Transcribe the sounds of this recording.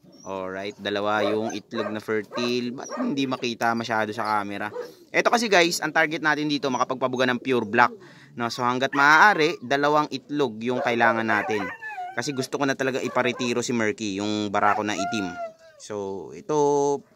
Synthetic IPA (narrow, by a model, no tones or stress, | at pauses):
ʔoɹajt̪̚d̪ɐlɐwajʊŋʔɪt̪loɡ̚nɐfɛɹt̪ilbɐ̰t̪̚hɪnd̪imɐkiːt̪ɐmɐʃaːd̪o̞sɐkaːmɛɾɐʔɛt̪o̞kɐs̬ɛɡajsʔɐŋt̪aɹɡɛt̪naːt̪ɪnd̪iːt̪o̞mɐkɐpɐɡ̚pɐbʊɡanɐŋpjuɾblak̚ | no̞so̞hɐŋɡat̪̚mɐʔaːʔaːɾɛd̪ɐlɐwaŋʔɪt̪loɡ̚jʊŋkɐʔɪlaːŋɐnːaːt̪ɪnkɐsɛɡʊst̪okonɐt̪ɐlɐɡaŋʔɪpɐɾɪt̪iːɾo̞simɛɹkijʊŋbɐɾʔaːkonɐʔit̪ɪm | soʔɛt̪o̞